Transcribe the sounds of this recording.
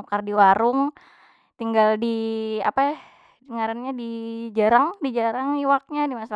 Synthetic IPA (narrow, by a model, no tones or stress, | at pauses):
kardiwaɾʊŋ | t̪iŋɡaldia̰pa | dəŋaɾanɲadid͡ʒaɾaŋdid͡ʒaɾaŋiwak̚ɲadimasa